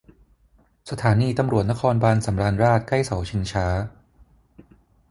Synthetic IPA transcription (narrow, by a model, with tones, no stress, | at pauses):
sa˧t̪ʰaː˩˦niː˧t̪a˧mɾu˨˩ət̪̚na˦˥kʰɔː˧nbaː˧nsa˩˦mɾaː˧nɾaː˥˩t̪̚kla˥˩jsa˩˦wt͡ɕʰi˧ŋt͡ɕʰaː˦˥